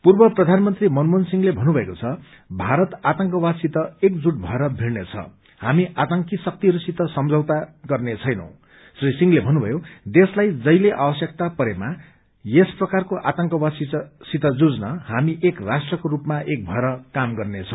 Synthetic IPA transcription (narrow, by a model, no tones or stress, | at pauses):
purbʌprʌd̪ʱanmʌnt̪rimʌnmonsiŋɡlebʱʌnubʱʌekot͡sʰʌ | bʱaɾʌt̪at̪ʌŋkʌwasit̪ʌek̚d͡zuʈbʱʌɾʌbʱiɽnet͡sʰʌ̰ | hamiʔat̪ʌŋkisʌk̚t̪iɦʌɾusit̪ʌsʌmd͡zʱʌwt̪aɡʌrnet͡sʰʌjnʌ̰w̃ | srisiŋlebʱʌnubʱʌjod̪eslajd͡zʌjleʔabʌsjʌkt̪apʌɾema | jesprʌkarkoʔat̪ʌŋkʌwasisit̪ʌd͡zud͡znʌɦamiʔekrasʈrʌkoɾupmaʔek̚bʱʌɾʌkamɡʌrnet͡sʰʌ̃